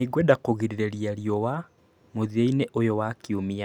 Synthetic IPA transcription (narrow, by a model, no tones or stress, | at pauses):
iɡwɛdakoɣiɾiɾeɾijaɾjɔwa | moðieineʔojowakiomia